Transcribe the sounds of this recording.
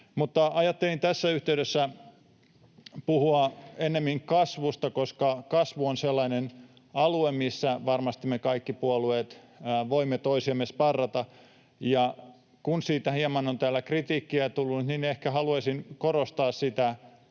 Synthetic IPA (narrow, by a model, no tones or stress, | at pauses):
mut̪ːɑʔɑjɑt̪ːelint̪æsːæyht̪eydesːæ | puhuɑenːemːiŋkɑsʋust̪ɑkoskɑkɑsʋuonselːɑinen | ɑluemmisːæʋɑrmɑst̪imːekɑikːipuolueːt̪ː | ʋoimːet̪oisiɑmːespɑrːɑt̪ɑ | jɑ | kunsiːt̪æhiɑmɑnont̪æːlːækrit̪iːkːiæt̪ulːut̪ninehkæhɑluɑsinkorost̪ɑːssit̪æ